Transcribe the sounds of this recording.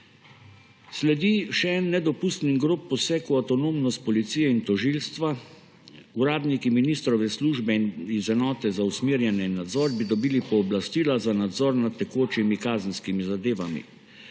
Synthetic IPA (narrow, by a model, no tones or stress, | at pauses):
slɛd̪iʃɛɛnːɛd̪ɔpust̪niɡɾoːpːɔsɛkuat̪ɔnoːmnɔst̪̚pɔlit̪siːjɛint̪ɔʒilst̪ʋa | uɾaːd̪nikiminist̪ɾɔʋɛsluʒbɛinizɛnɔːt̪ɛzausmiːɾjɛnɛinːad̪zɔːɾbid̪ɔbiːlipɔːblast̪iːlazanad̪zɔːɾnat̪ːɛkoːt͡ʃimikaːzən̩skimizad̪eːʋamḭ